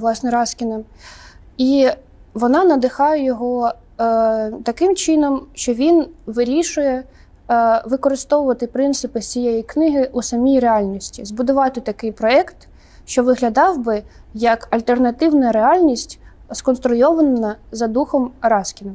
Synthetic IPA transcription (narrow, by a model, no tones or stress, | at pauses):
lˠɑsnɛɾɑskʲinɐm | i | ʋɔnɑnɐd̪ɪxɑjɛjɔɦɔ | t̪ɐkɪmt͡ʃɪnɔmʃt͡ʃɔʋʲinʋɪɾʲiʃʊjɛ | ʋɪkɔɾɪst̪ɔʋʊʋɐt̪ɪpɾɪnt̪sɪpɪt͡sʲijejiknɪɦɪʔusɐmʲijɾeɑlʲnʲisʲtʲizbʊd̪ʊʋɑt̪ɪt̪ɐkɪjpɾɔɛkt̪ | ʃt͡ʃɔʋɪɦlʲɐd̪ɑwbɪ | jɐkɐlʲt̪ernɐt̪ɪwnɐɾeɑlʲnʲisʲtʲskɔnst̪ɾʊjɔʋɐnɐzɐd̪uxɔmɾɑskʲɪnɐm